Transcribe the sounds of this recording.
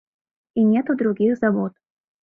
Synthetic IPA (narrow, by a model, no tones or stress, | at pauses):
inʲɛt̪ʊd̪ɾʊɡʲixzɐvɔt̪